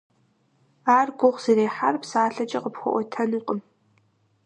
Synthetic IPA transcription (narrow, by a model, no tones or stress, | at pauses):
aːrɡʷʊʁʷz̥iɾeːħarpsaːɬɐt͡ʃʼɐqəpxʷɔ̰ʔʷɔtʰɐnuqʼəm